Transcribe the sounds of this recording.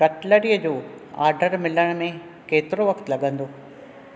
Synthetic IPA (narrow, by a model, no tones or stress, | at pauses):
kɐʈləɽijəd͡ʑoː | a̰ːɾɖəɾmɪləɽ̃mẽ | keːt̪ɪɾoʋɐkʰt̪lɐɠə̃nd̪oː